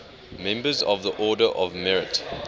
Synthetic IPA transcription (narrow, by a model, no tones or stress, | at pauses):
mɛ̃mbəzɔ̰vðəʔɔːdəʔɔvmɛɹɪt